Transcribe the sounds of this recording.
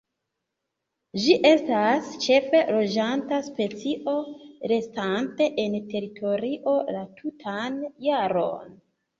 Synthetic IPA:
d͡ʒiʔe̞stast͡ʃe̞fe̞lo̞d͡ʒantaspe̞t͡siʔo̞ɾe̞stante̞ʔente̞ɾitʰo̞ɾiʔo̞latʰutʰanjaɾo̞̰n

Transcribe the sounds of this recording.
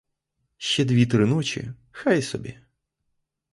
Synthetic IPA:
ʃt͡ʃɛd̪ʲʋʲit̪ɾɪnɔt͡ʃḭ | xajsɔ̰bʲi

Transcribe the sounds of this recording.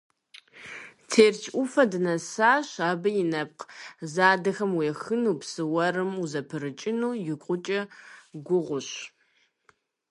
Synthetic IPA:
tʰeːrt͡ʃʰʼʔʷʊfɐdɨnɐsaːɕaːbɐjɪnɐp̚qzaːdɐxɐmweːxɨnuːpsɨwɐɾɨmuzɐpʰɨɾɨt͡ʃʼɪnuːjɪkʷʼʊt͡ʃʼɐɡʷʊʁʷʊɕ

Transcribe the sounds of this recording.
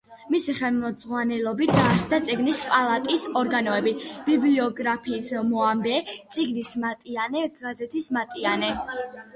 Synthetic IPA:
misiχɛlˠmɔd̪zʁwanɛlˠɔbit̪̚ʰd̪aɾsd̪at̪sʼiɡnispʼalˠat̪ʼisɔɾɡanɔɛbib̥ibliɔɡɾapʰiːsmɔambɛt̪sʼiɡnismat̪ʼianɛɡazɛt̪ʰismat̪ʼianɛ

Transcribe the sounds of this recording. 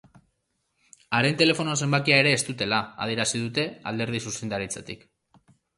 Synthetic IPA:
aɾe̞nt̪e̞le̞fo̞noas̬e̞mbakiae̞ɾe̞ːst̪ut̪e̞laa̰ðieɾasiðut̪e̞a̰ld̪e̞ɾð̞isuse̞nd̪aɾit͡sa̰t̪ik

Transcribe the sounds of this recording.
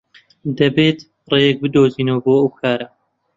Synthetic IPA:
d̪ɐbeːt̪ | rejɛk̚bɨd̪oːziːnɐwɐboːɐwkʰaːɾɐ

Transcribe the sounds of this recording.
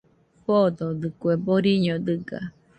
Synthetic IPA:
ɸod̪od̪ɨkueboɾiɲod̪ɯɡa̰

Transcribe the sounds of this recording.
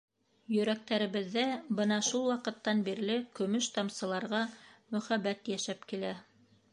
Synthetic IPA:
jɵ̆ɾæk̚t̪æɾɘ̆βɘ̆ðːæbɤnɑʃulˠwɑqɤ̆t̪ːɑnbiɾlɘkɵ̆mɵʃt̪ɑmsɤ̆lˠɑɾʁɑmɵ̆χæbæt̪jæʃæpkilæ

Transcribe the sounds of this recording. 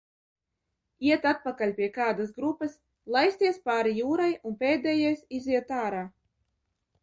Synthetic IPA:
iɛt̪at̪̚pakalʲpʲiɛkaːd̪asɡɾupːɨs | lˠajsʲt̪ʲiɛspaːɾijuːɾajunpʲeːd̪ɛjɛjsiziɛt̪aːɾaː

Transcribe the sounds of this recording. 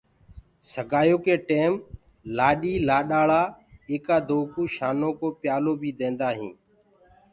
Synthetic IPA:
səɡʱaːjoːkeːʈeːm | laːɗiːlaːɗaːɭaː | eːkaːd̪oːkuːʃaːnoːkoːpjaːloːbʱiːd̪ẽːnd̪aːɦḭ̃ː

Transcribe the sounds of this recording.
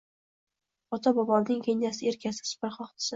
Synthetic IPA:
ɒt̪ʰabɒbɒlnɪŋkʲenːasɪe̞ɾkʲʰasɪ̥ssɪ̥pɪɾχɒχt̪ʰɪ̥sɪ

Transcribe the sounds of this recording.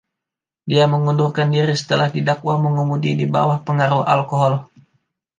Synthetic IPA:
diaməŋundurkandiɾisə̥t̪əlahdidakwaməŋumudidiba̰wahpəŋaɾuha̰lkoɦɔl

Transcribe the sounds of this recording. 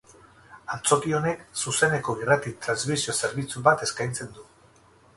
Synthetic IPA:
ant͡so̞kio̞ne̞ksuse̞ne̞ko̞irat̪it̪ɾanzmisio̞se̞ɾβit͡suβat̪e̞skajnt͡se̞nd̪u

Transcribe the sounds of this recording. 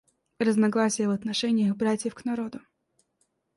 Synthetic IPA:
rəznɐɡlˠasʲɪjəvɐt̪nɐʂɛnʲɪjəxbɾatʲjɪfknɐɾod̪ʊ

